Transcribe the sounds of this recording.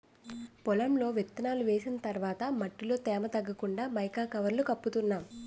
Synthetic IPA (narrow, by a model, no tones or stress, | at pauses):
pɔlɐmlo̞ːʋet̪ːɐnaːluʋeːsinɐt̪ɐɾʋaːt̪ɐmɐʈːiloːt̪ɛːmɐt̪ɐɡːɐkuɳɖaːmɐjkaːkɐʋɐɾlukɐpːut̪unːaːm